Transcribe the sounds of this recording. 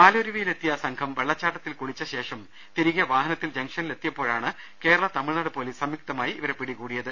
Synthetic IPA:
paːloːɾuʋijile̞t̪ːijɐsɐŋkʰɐmʋeɭːɐt͡ɕːaːʈːɐt̪ːilkuɭit͡ɕːɐɕe̞ːʂɐm | t̪iɾiɣɐʋaːɦɐnɐt̪ːild͡ʑɐŋʂɐnilet̪ːijɐpːo̞ːɻaːɳɨ | ke̞ːɾɐɭɐt̪ɐmiɭnaːɽɨpoːliːsɐmjik̚t̪ɐmaːjiːʋɐɾepːiɽikuːɽijɐðɨ

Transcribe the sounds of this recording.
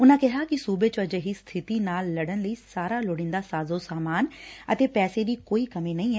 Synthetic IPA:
ʊnãːkɪɦaːkɪsuːbeːt͡ʃoəd͡ʒəɦiːst̪ʰɪt̪iːnaːlːəɽənləiːsaːɾaːloɽɪ̃ːnd̪aːsaːzoːsaːmaːnə̰t̪eːpɛːseːd̪iːkoːiːkəmiːnəĩːɛː

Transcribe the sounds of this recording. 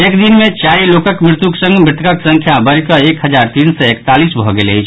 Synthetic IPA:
ekd̪inmet͡ʃaĩlokəkmɾɪt̪juksə̃ŋɡmɾɪt̪ʰkəksə̃ŋkʰjabəɾikəekɦəd͡ʒaɾt̪insəek̚t̪alisbʱɔɡeləjt͡ʃʰ

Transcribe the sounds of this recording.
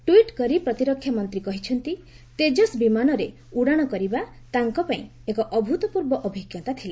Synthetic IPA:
ʈuiʈkɔɾipɾɔt̪iɾɔkʰːjamɔnt̪ɾikɔɦit͡ʃʰɔnt̪i | t̪ed͡ʒɔsbimanɔɾe | uɽaɽ̃ɔkɔɾiba | t̪aŋkɔpaḭ̃ | ekɔʔɔbʱut̪ɔpuɾbɔʔɔbʱiɡjɔt̪at̪ʰila

